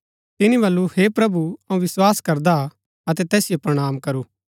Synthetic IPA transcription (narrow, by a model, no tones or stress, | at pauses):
t̪ɪnĩbɐlːuhepɾɐbuɐũʋɪswaːskɐɾd̪a | ɐt̪ɛt̪ɛːsɪjopɾɐɽ̃aːmkɐɾuː